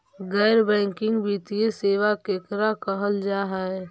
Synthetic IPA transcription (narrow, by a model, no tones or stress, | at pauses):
ɡɛːɾbɛ̃ːŋkɪ̃ŋɡbiːt̪ieseːʋakeːkɾakəɦəld͡ʒaːɦɛ